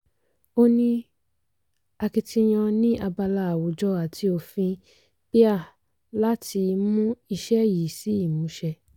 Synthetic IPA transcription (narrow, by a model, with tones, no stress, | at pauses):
o˦nĩ˦ | a˧ki˧tĩ˧j̃ã˧nĩ˦ʔa˧ba˧la˧˨a˨wo˨˦d͡ʒɔ˧˦a˨tʰi˧o˧˨fĩ˧ | pi˦a˦˨ | la˦ti˧mũ˦i˧ʃɛ˦ji˨˦˨si˨˦i˦˨mũ˨˦ʃɛ˧